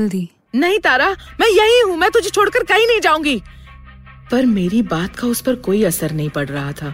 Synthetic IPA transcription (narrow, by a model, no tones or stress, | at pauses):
ld̪iː | nɐɦĩt̪aːɾa | mɛ̃ːjɐɦiɦũmɛ̃ːt̪ʊd͡ʒʱet͡ʃʰoːɽkəɾkɐɦĩnɐɦĩd͡ʒaːũːŋɡiː | pɐɾmeːɾibaːt̪kaʊspɐɾkoːiɐsəɾnɐɦĩpɐɽɾɐɦat̪ʰaː